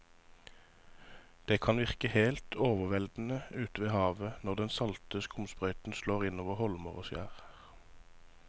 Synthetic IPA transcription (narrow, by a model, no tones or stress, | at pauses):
d̪̥eːkʰɑnʋɪʁkəheɪlt̪ʰoːʋəʁʋɛld̪n̩əʉːt̪əʋeːhɑːʋənɔʁd̪ɛnsɑlt̪əskʊmspʁœʏt̪n̩sloːʁɪnoːʋəʁhɔlməʁo̰ːsjæ̰ːʁ